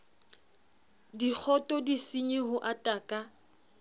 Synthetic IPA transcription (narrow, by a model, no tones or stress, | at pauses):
dik͡xʰɔtʼɔdisiɲiɦʊʔatʼakʼa